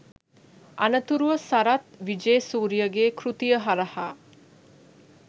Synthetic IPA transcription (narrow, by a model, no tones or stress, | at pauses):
anət̪uɾuʋəsaɾat̪ʋid͡ʒeːsuːɾijəɡeːkɾut̪ijəɦaɾɐhaː